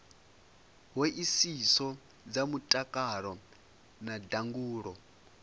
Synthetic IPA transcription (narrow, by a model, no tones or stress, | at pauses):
wɛʔisisɔ | d͡zamutʼakʼaɺɔ | nadaŋɡuːɺɔ